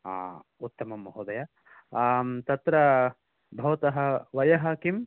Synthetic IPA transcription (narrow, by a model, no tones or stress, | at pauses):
a̰ːut̪ːɐmɐmɐɦɐd̪ɐjɐ | t̪ɐt̪ɾɐ | bʱɐʋɐt̪ɐɦɐʋɐjɐɦaːkim